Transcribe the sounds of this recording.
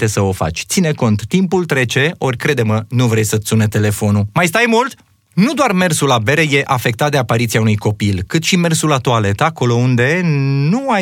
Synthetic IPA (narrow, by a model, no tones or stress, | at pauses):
t̪e̞səo̞fa̰t͡ʃʲt̪sine̞ko̞nt̪ːimpult̪ɾe̞t͡ʃe̞o̞rʲkɾe̞d̪e̞mənuvɾe̞jsət̪sune̞t̪e̞le̞fo̞numajst̪ajmult̪ | nud̪oarme̞rsulabe̞ɾeje̞ʔafe̞k̚t̪at̪̚d̪eapaɾit̪siaunujko̞pilkɨt̪ʃime̞rsulat̪uale̞t̪ako̞lo̞und̪e̞nua